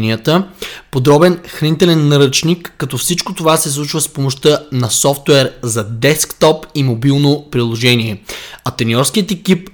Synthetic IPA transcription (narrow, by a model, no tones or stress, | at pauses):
niət̪əpod̪ɾɔbɛnxɾɐnit̪ɛlɛnːɐɾət͡ʃnikːɐt̪ɔfsit͡ʃkot̪ovasɛslˠut͡ʃvəspomoʃt̪ənɐsɔft̪wɛɾzɐd̪ɛskt̪ɔpimobilˠnopɾilˠoʒɛniɛɐt̪ɛniɔɾskiət̪ɛkip̚